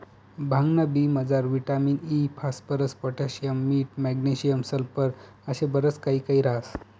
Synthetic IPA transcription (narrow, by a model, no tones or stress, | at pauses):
bʱãŋɡnabiːməd͡zaɾʋiʈamiːnipʰaspəɾəspɔʈaɕijəmːiːʈ̚mɛɡneɕijəmsəlpəɾ | əɕebəɾət͡skaɦiːkaiːɾas